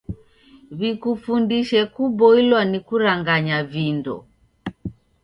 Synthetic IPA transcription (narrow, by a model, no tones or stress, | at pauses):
βikufundiʃɛkubɔilwanikuɾaŋɡaɲavindɔ̰